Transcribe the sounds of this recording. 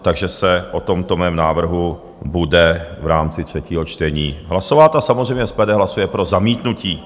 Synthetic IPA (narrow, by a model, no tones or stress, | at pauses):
t̪aɡʒɛsɛʔot̪o̞mt̪omɛːmnaːvr̩ɦu | budɛvɾaːmt͡sɪt̪r̥ɛciːɦot͡ʃt̪ɛɲiːɦlasovaːt̪asamozrɛjmɲɛspɛdɛɦlasujɛpɾo̞zamiːt̪nuciː